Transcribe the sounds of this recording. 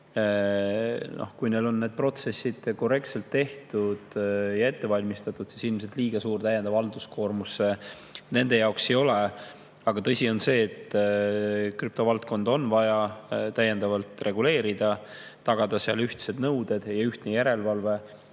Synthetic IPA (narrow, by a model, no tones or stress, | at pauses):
nʔo̰hkujne̞lo̞nːed̪̚pro̞t̪se̞sːid̪̥ko̞re̞kt̪se̞lt̪ːe̞ht̪ud̪̥jɑe̞t̪ːe̞vɑlʲmist̪ɑt̪ːˑud̪̥sisilms̬e̞t̪ˑliːɡ̥ɑsuːrt̪æjːɛnd̪ɑvɑld̪usko̞ːrmusːe | ne̞nd̪e̞jɑokse̞jo̞le | ɑɡ̥ɑt̪ɤ̞sʲio̞nse̞ːt̪ | kryp̚t̪o̞vɑlt̪̚ko̞nd̪o̞nvɑjɑt̪æjend̪̥ɑvɑlt̪ˑre̞ɡule̞ːɾid̪̥ɑ | t̪ɑɡ̥ɑd̪̥ɑseɑlyht̪se̞d̪nɤwd̪̥e̞d̪̥jɑyht̪nejæɾe̞lvɑlve̞